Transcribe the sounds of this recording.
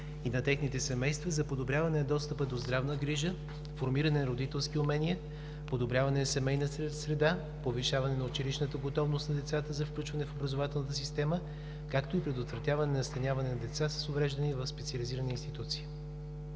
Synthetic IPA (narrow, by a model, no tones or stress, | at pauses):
inɐt̪ɛxnit̪ɛsɛmɛjst̪vɐzɐpod̪obɾʲjavɐnɛnɐd̪ɔst̪əpəd̪ozd̪ɾavnəɡɾiʒə | foɾmiɾɐnɛnɐɾod̪it̪ɛlˠskiʊmɛniɛ | pod̪obɾʲjavɐnɛsɛmɛjnəsɾɛd̪a | poviʃavɐnɛnɐʊt͡ʃiliʃnət̪əɡot̪ɔvnost̪nɐd̪ɛt̪sat̪əzɐfklʲut͡ʃvɐnɛfobɾɐzovat̪ɛlˠnət̪əsist̪ɛmə | kakt̪oipɾɛd̪ot̪vɾɐt̪ʲjavɐnɛnɐst̪ɐnjavɐnɛnɐd̪ɛt̪sasə̥sovɾɛʒd̪ɐnivɐfspɛt̪siəliziɾəniːnst̪it̪ut̪si̥ː